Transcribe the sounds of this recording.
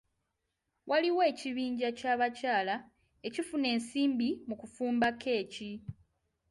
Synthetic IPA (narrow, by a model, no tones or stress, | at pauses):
wʔaliwe̞ːciβiːɲɟacaːβacaːla | e̞cifune̞ːnsiːmbimukufuːmbakʰe̞ːci